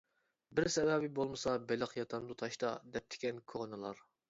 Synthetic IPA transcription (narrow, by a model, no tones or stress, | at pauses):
bɪɾsɛvɛbɪbolˠmɨsɑbɪləqjɑt̪ʰɑnd̪ut̪ʰɑʃt̪ɑd̪ɛp̚t̪ʰɪ̥kʲɛnkʰoʁnɨlˠɑɾ